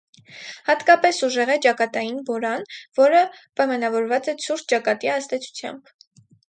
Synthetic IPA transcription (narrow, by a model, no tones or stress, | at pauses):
hɑt̪kɑpɛsuʒɛʁɛt͡ʃɑkɑt̪ɑjinbɔɾɑnvɔɾəpɑjmɑnɑvɔɾvɑt͡sɛt͡sʰuɾt̪̚ʰt͡ʃɑkɑt̪iɑzd̪ɛt͡sʰu̥t͡sʰjɑ̰mb̥